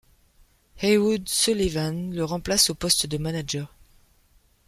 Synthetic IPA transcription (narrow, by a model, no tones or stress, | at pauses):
hewud̪sulivanləʁɑ̃plasopɔst̪d̪əmanaʒœʁ